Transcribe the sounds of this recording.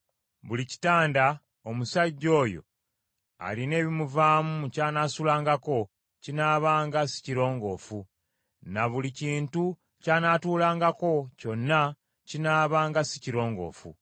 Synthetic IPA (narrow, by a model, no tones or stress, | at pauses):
βulici̥taːnda | omusaɟːo̞ːjo̞̰ | a̰line̞ːβimuvaːmucaːnaːsulaːŋɡako̞ | cinaːβaːŋɡasi̥ciɾo̞ːŋɡo̞ːfu | naβuliciːntu | caːnaːtuːlaːŋɡako̞co̞nːa | cinaːβaːŋɡasi̥ciɾo̞ːŋɡo̞̰ːfṵ